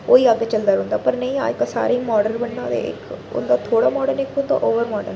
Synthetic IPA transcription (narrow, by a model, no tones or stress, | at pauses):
oːiːaɡeːt͡ʃəld̪aːɾʊ̃nd̪aːpəɾnə̃ĩːa̰ːd͡ʒkəːsa̰ːɾeiːmɔːɖəɾbəɳːãːd̪ḛːɪ̰kʊ̰nd̪aːt̪ʰoːɽaːmɔːɖənɪkːʊnd̪a̰ːʔoːʋəɾmɔːɖən